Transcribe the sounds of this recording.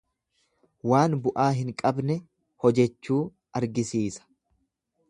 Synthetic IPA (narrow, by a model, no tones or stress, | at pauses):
waːnbʊʔaːɦɪŋkʼɐbnɛ | hɔd͡ʒɛt͡ʃːuː | ɐɾɡɪsiːsɐ̥